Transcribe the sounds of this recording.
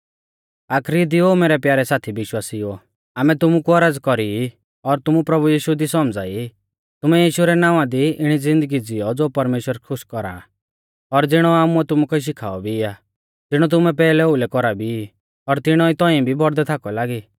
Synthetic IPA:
aːkʰɾid̪ioːmeːɾɛpjaːɾɛsaːt̪ʰibɪʃwaːsio | aːmɛt̪ʊmukuɐɾaːd͡zkɔɾi | ɔɾt̪ʊmupɾɐbujiːʃud̪isɔmd͡za̰ːi | t̪ʊmɛjiːʃuɾɛnaːʋãd̪iɪɽ̃id͡zɪ̃nd̪əɡid͡zɪjɔd͡zoːpɐɾmeːʃwəɾkʰʊʃkɔɾa̰ | ɔɾd͡zɪɽ̃ɔaːmuɛt̪ʊmukɔiʃ̬ɪkʰa̰ːɔbʱija | d͡z̪ɪɽ̃ɔt̪̬ʊmɛp̬ɛːlɛolɛkɔɾabʱi | ɔɾt̪ɪɽ̃ɔit̪ɔ̃ĩbʱibɔɾd̪ɛt̪ʰaːkɔlaːɡiː

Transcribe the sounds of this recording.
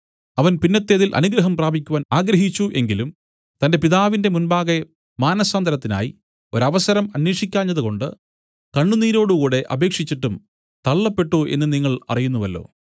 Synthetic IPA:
ɐʋɐnpinːɐt̪ːe̞ːðilʔɐ̰nuɡɾɐɦɐmpraːbʱikʲːuʋaːnaːɡɾɐɦit͡ɕːuʔe̞ŋɡilum | t̪ɐnde̞piðaːʋinde̞munbaːɣe | maːnɐsaːnd̪ɐɾɐt̪ːina̰ːjḭ | o̞ɾɐʋɐsɐɾɐmɐnweːʂikʲːaːɲːɐðuko̞ɳɖɨ | kɐɳːuniːɾo̞ːɽukuːɽe̞ʔɐ̰be̞ːkʂit͡ɕːiʈːum | t̪ɐɭːɐpːe̞ʈːuʔe̞̰nːɨniŋːɐɭɐ̰rijunːuʋɐlːo̞̰ː

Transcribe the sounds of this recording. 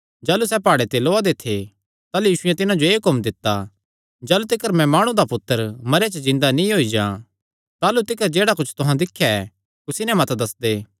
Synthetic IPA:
d͡ʒaːlusɛpaːɽet̪eloːad̪et̪ʰːe | t̪aːlujiːʃʊjɛ̃t̪ɪnãd͡ʒoeːkomd̪ɪt̪ːa | d͡ʒaːlut̪ɪkəɾmɛ̃maːɽ̃ũd̪apʊt̪ːəɾmɐɾat͡ʃəzɪ̃nd̪anĩɦoːid͡ʒãː | t̪aːlut̪ɪkəɾd͡ʒeːɽakʊt͡ʃʰt̪ʊɦãd̪ɪkʰːjaɛ | kʊsinɛ̃mɐt̪d̪ɐsd̪eː

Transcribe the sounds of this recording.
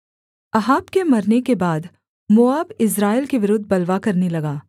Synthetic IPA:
ɐɦaːbkemɐɾnekebaːd̪ | moːaːbɪs̬ɾaːɪlkeʋɪɾʊd̪ʱbɐlʋakɐɾnelɐɡaː

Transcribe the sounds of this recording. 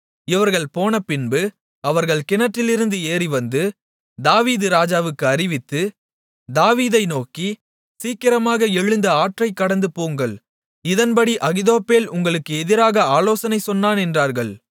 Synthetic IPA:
ɪʋɐɾɣɐɭpoːnɐpɪnbɯ | ɐʋɐɾɣɐɭkɪnɐʈːɪlɪɾɯnd̪ɯeːriʋɐnd̪ɯ | d̪aːʋiːðɯɾaːd͡ʒaːʋɯkːɯɐɾɪʋɪt̪ːɯ | d̪aːʋiːðɐɪnoːki | siːkɪɾɐmaːɣɐɛɻɭːɯnd̪ɐaːʈrɐɪkːɐɽɐnd̪ɯpoːŋɡɐɭ | ɪðɐnbɐɽiʔɐɣɪðoːpːeːlʊŋɡɐɭɯkːɯɛðɪɾaːɣɐaːloːsɐnɐɪsɔnːaːnɛndraːɾɣɐɭ

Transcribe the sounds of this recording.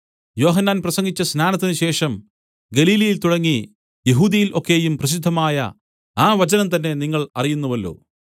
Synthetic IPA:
jo̞ːɦɐnːaːnprɐsɐŋɡit͡ɕːɐsnaːnɐt̪ːinuɕe̞ːʂɐm | ɡɐliːlɐjilt̪uɽɐŋːi | jeɦuːd̪ɐjilʔo̞kːe̞jumprɐɕ̬id̪ʱːɐmaːjɐ̰ | aːʋɐt͡ɕɐnɐmt̪ɐnːe̞niŋːɐɭɐrijunːuʋɐlːo̰ː

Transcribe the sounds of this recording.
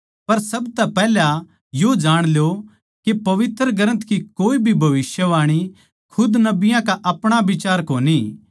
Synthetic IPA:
pɐɾsɐbt̪ɛpɛːlja | jod͡ʒaːɽ̃ljo | kepɐʋɪt̪ɾəɡəɾə̃nt̪ʰkikoːibʱibʱɐʋɪsjəʋaːɽ̃i | kʰʊd̪nɐbɪjãkaʔɐpɽ̃abɪt͡ʃaːɾkoːni

